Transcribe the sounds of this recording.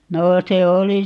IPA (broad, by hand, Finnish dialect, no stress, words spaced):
noː se oli